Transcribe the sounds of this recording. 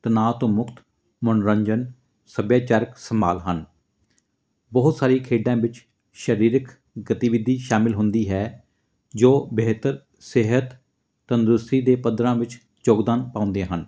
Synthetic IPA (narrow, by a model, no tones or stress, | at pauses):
t̪ənaːt̪õːmʊkt̪ | mʊnɾəɲd͡ʒən | səbjaːt͡ʃaːɾəksəma̰ːlɦən | bəɦʊt̪saːɾiːkʰeːɖãːʋɪt͡ʃ | ʃəɾiːɾək | ɡət̪iːʋɪd̪ʱːiːʃaːmɪlɦʊnd̪iːɦɛː | d͡ʒoːbeːt̪əɾ | sɪɦət̪ː | ənd̪ɾʊst̪iːd̪eːpəd̪ɾãːʋɪt͡ʃ | d͡ʒoːɡd̪aːnpãːʊ̃nd̪ẽːɦən